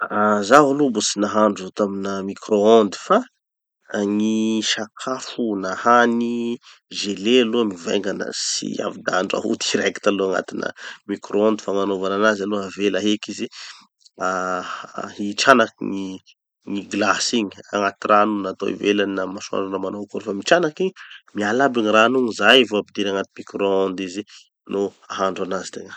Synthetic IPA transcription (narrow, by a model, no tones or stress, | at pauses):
azavalubusinaɦaɳɖ͡ʐut̪aminəmikroɔnd̪i̥fa | ŋiʃakʰafunahani | ʒelealumiva̰ŋɡanə̰sḭa̰vid̪aaɳɖ͡ʐa̰ɦṵt̪iɾeki̥t̪aloaŋa̰t̪inə̰mikrʔoɔ̃nd̪ifaŋanovananazaluavelaɦekizi | a | iʈ͡ʂanakiŋi | ŋiɡlasiɲia̰ŋat̪iranunat̪o̰ḭvelannamasua̰ɳɖ͡ʐanəmanawkuɾufamiʈ͡ʂanakiɲmialabiɲiranuŋizajvoapid̪iɾaŋat̪imikɾoɔnd̪izi | no | aɦaɳɖ͡ʐanazi̥t̪eŋə